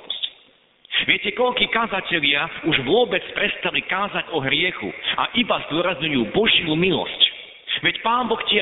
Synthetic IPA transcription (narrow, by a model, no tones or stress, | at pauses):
ɔsc | ʋɪɛcɛkɔʎkiːkazacɛʎɪauʒʋʊɔbɛt͡spɾɛst̪alikaːzaɟɔɦɾɪɛxṵa̰ʔibazd̪ʊɔɾazɲujuːbɔʒɪjumilɔ̰sc | ʋɛcpaːmbɔxcɪɛ